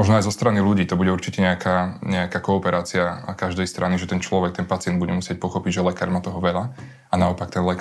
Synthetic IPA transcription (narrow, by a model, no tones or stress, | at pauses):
mɔʒnɔajzɔst̪ɾaniluɟiːt̪ɔbuɟɛuɾt͡ʃicɛɲɛakʰaːɲɛakaːkɔːpɛɾaːt͡siakaʒd̪ɛjst̪ɾʔaniʒɛt̪ɛnt͡ʃlɔʋɛk̚t̪ɛnpat͡sɪɛnd̪buɟɛmusɪɛc̚pɔxɔpiɟʒɛlɛkaːɾmat̪ɔɦɔʋɛʎa | anaɔpakt̪ɛnlɛk